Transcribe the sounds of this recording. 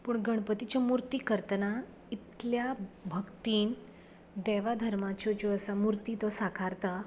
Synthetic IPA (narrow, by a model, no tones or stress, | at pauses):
puːɳɡʱəɳ̃pət̪it͡ɕamuɾt̪iːkəɾt̪əna | it̪ljabʱəkt̪iːn | d̪ɛʋad̪ʱəɾmat͡ɕod͡ʑoəsamuɾt̪iːt̪osakʰaɾt̪a